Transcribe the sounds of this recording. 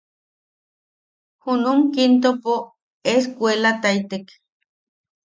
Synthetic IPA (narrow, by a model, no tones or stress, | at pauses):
hunumkint̪̬opo | eskʷelat̪ait̪ek